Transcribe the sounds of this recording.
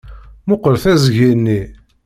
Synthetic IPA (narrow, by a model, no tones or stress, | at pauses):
mʊqːəlθæzʝinːi